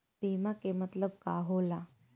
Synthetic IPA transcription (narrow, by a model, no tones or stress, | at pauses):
piːmakemət̪ləb̚kaɦola